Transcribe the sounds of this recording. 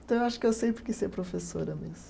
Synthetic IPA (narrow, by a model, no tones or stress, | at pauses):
t̪ɐ̃w̃ewaʃʊkɪewsẽjpɾɪkɪseɾpɾofesoɾɐmezm